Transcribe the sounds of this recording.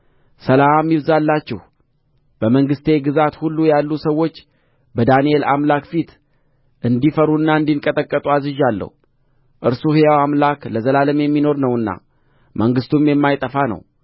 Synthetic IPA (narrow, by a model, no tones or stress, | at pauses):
səlamamːjiβzalːat͡ʃːɛh | b̥əməŋɡɨst̪ʰe̞ɡɨzat̪hulːujalːusəwːo̞t͡ʃː | bəd̪aniela̰mlakfit̪ | ʔɨnd̪ifəɾuɨnːaɨnd̪iŋkʼət̪ʼəkʼːət̪ʼuazɨʒalːə̰hu | ʔɨɾsuhijawamlakləzəlaləmjɛmːino̞ɾnəwɨnːa̰ | məŋɡɨst̪ʰumjɛmːajt̪ʼəfanə̰w